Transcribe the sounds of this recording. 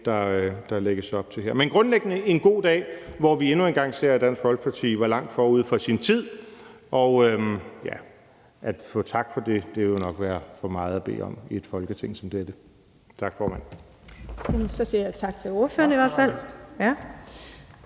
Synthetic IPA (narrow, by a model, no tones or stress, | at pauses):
d̥ɑ̈d̥ɑ̈leɡ̥əsɒ̽b̥̚t͡sʰe̝ɦeɐ̰menɡ̥ʁɔ̽nleɡ̥ənəe̝nɡ̥o̝̰ːd̥ɛ̰ːʋɒʋie̝nue̝nɡ̥ɑ̈ŋ̰se̝ɐ̰d̥d̥æn̰sɡ̥fɒ̽lɡ̥ə̥pʰɑ̈t͡sʰḭːʋɑ̈lɑ̈ŋ̰d̥fɒːuð̞̰ˠfɒ̽sint͡sʰið̞̰ˠ | ʔɒ̽ʊøjæ | ʔæd̥fɔ̰̽ːt͡sʰɑ̈ɡ̥fɒ̽d̥e̝d̥e̝ʋe̝jnɒ̽ɡ̥ʋæːɐfɒ̽mɑ̈ːð̞̩ˠæb̥e̝̰ːɒ̽mie̝d̥fɒ̽lɡ̥ət͡sʰeŋ̰sɒ̽md̥ed̥ə | t͡sʰɑ̈ɡ̥fɒːmæn̰ | æmsɒ̽siɐjat͡sʰɑ̈ɡ̥t͡sʰe̝lo̝ɐføːɐniʋæɐd̥fæl̰jæ